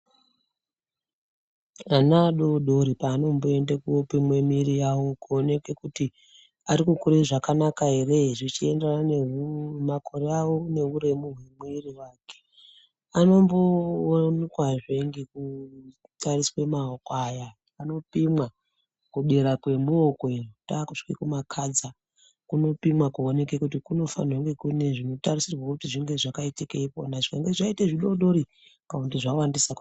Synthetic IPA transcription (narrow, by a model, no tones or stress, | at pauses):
anaɗoɗoɾipaːno̞mbo̞e̞ndakuopimwemirijawo̞kuone̞ke̞kuti | aɾikukuɾeʐakanakaɦe̞re̞ʐit͡ʃie̞ndananemakʰo̞ɾeawo̞ne̞uɾe̞muɦwemweriwaːke̥ | ano̞mbonkwaʐe̞ŋɡeku | tʰariswemaokwajaː | no̞pimwa | kuɓeɾakwe̞muoko̞etaːkuʂkikumakʰad͡za | kuno̞pimwakuone̞kekutikuno̞fa̰noŋɡekune̞ʐino̞tarisirwakutiʐiŋɡe̞ʐakaitikeipo̰naʐeŋɡeʐaiteʐiɗo̞ɗo̞ɾi | kaundiʐawandisaku